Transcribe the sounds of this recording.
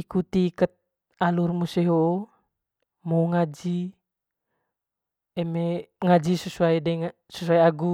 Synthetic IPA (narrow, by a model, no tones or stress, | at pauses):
ikut̪iːkət̪̚ | alurmusiɦo | mɔuŋad͡ʒi | ɛmeŋad͡ʒisəsuaidɛŋ | səsuaiaɡu